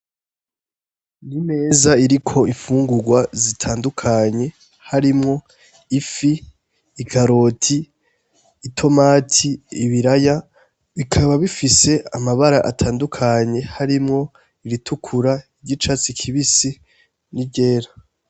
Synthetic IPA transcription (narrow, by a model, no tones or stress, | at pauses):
nime̞ːzaiɾikʰo̞iɱfuːŋɡuɡwazitʰaːndukʰaɲe̞ | haɾimŋo̞ | ifiː | kʰaɾo̞tʰiː | tʰo̞maːtʰiːβiɾaja | βikʰaβaβifise̞amaβaɾaʔatʰaːndukʰaɲe̞haɾimŋo̞ | iɾitʰukʰuɾaiɟit͡ʃat͡sikʰiβisi | nibɟeːɾa